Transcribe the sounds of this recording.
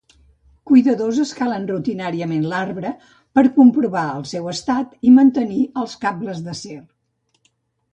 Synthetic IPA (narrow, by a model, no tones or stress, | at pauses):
kujðəðozəskalənrut̪inaɾiəmenlarβɾə | pəɾkumpɾuβaəlˠsɛwəst̪at̪imənt̪əniəlˠskabləzðəser